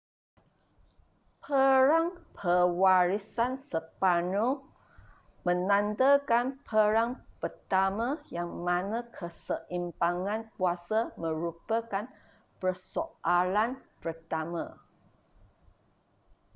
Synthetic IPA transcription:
pʰəɾaŋpʰəwaɾisansəpano | mə̃nand̪əkanpʰəɾaŋpərt̪amãjaŋmanəkʰəsəʔimpaŋãnkuasamə̃ɾupəkan | pərsoʔalanpərt̪amã̰

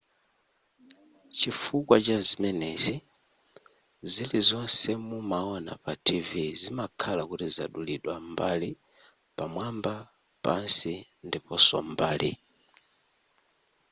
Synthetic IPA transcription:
t͡ʃifukwat͡ʃazimɛnɛzi | zilizɔnsɛmumaɔna̰patʰivizimakʰalakutiza̰ɗuliɗwambali | pamwamba | pa̰nsi | ndipɔsɔ̰mbaːlḭ

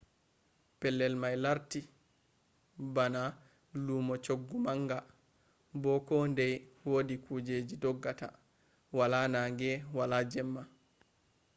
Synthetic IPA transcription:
pɛlːɛlmajlaɾti | bana | lumɔt͡ʃoɡːumaŋɡa | bɔkɔndɛjwoːdikuːd͡ʒeːd͡ʒidɔɡːata | walaːnaːŋɡɛwalad͡ʒɛmːa

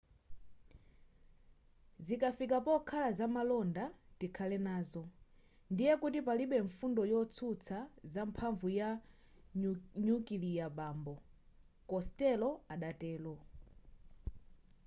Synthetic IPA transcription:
zikafikapɔkʰalazamalɔndatikʰalɛnaːzɔ | ndijɛkutip̬aliɓɛɱfundɔjɔt͡sʰut͡sʰazampʰaɱvuja | ɲukilijaɓaːmbɔ | kɔstɛlɔaɗatɛːlwɔ

